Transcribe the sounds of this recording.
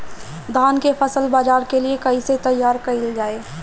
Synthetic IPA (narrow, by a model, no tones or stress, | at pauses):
d̪aːnkefɐsəlbaːd͡ʒaːɾkeliekɐiset̪ɐjːaːɾkɐild͡ʒaːeː